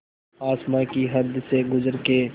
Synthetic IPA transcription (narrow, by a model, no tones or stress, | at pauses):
aːsmãkiɦɐd̪seɡʊzəɾke